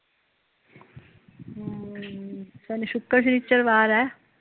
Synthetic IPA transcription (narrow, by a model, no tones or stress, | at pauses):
sɛːneʃʊkːəɾs̬nit͡ʃːəɾʋaːɾɛː